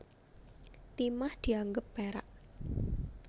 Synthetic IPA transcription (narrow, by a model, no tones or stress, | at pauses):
t̪imahd̪̥i̤aŋɡəpːeɾa̰ʔ